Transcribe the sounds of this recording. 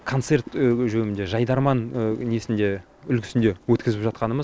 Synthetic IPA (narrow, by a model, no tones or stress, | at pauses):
kʰo̞nt̪se̞rt̪ʒɵmɪnd̪e̞ʒɑjd̪ɑɾmɑnniesɪnd̪e̞ | ʏlkʲʰɪ̥sɪnd̪e̞wɵt̪kʲɪzɪpʒɑt̪qɑnəməz